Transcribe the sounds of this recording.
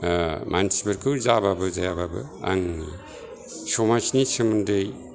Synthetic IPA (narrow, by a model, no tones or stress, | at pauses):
mʔansibeɾkʰɯwzababɯzajababɯ̰a̰ŋi | sɔmat͡ʃnit͡ʃʰɯmɯndej